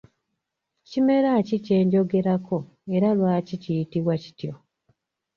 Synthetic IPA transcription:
cime̞ɾacice̞ːɲɟo̞ɡe̞ɾako̞ | e̞ɾalwaːcicijitiβwaci̥tjo̞

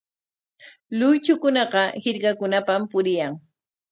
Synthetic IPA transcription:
lʊjt͡ʃʊkʊnɑqɑhɪɾkakʊnapampʊɾɪjaŋ

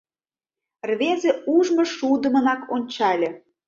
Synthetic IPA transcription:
rβezeuʒmə̆ʃud̪ə̆mənɑkonʲt͡ɕɑlʲĕ

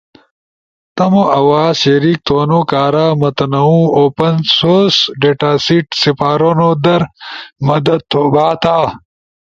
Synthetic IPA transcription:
t̪ɐmoʔɐwaːzɕeɾiːk̚t̪ʰoːnoːkaːɾaːmɐt̪ɐnɐũoːpɐnsoːsɖeːʈaːsiʈsipaːɾoːnoːd̪ɐɾmɐd̪ɐt̪ʰːoːbaːt̪aː

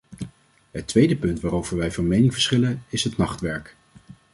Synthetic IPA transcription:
ɦətʋejdəpɵntʋaːɾowvəɹʋɛjvɑnmejnɪŋvəɹsχɪlənɪsɦətnɑχtʋɛɹk

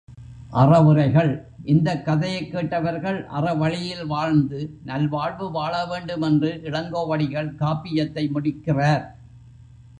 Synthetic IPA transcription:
ʔɐrɐʋɯrɐɪɣɐɭ | ʔɪnd̪ɐkːɐðɐjɐɪkːeːʈːɐʋɐɾɣɐɭʔɐ̰rɐʋɐɻɪjɪlʋaːɻnd̪ɯnɐlʋaːɻʋɯʋaːɭɐʋeːɳɖɯmɛndrɯʔɪɽɐŋɡoːʋɐɽɪɣɐɭkaːpːɪjɐt̪ːɐɪmʊɽɪkːɪraːɾ

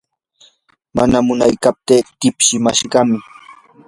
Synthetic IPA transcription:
manamʊnajkap̚t̪eːt̪ɪpʃɪmaʃɢɑmɪ

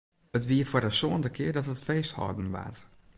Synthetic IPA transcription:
ətʋiəfʊərdəsoəndəkʰɪərdɔtətfeːsthɔ̰dn̩ʋa̰t

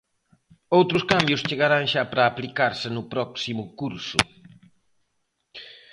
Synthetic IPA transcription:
owt̪ɾʊskambjʊst͡ʃeɣaɾaŋʃapɾɐːplikaɾsɪnʊpɾɔksimʊkuɾsʊ̰

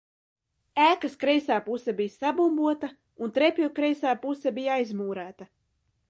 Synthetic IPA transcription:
æːkaskɾɛjsaːpusɛbijsabumbuɔt̪a | unt̪ɾepʲjukɾɛjsaːpusɛbijajzmuːɾæːt̪ɐ

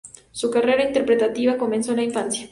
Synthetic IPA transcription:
sukareɾaint̪e̞ɾpɾe̞t̪at̪iβako̞mensolaiɱfansja

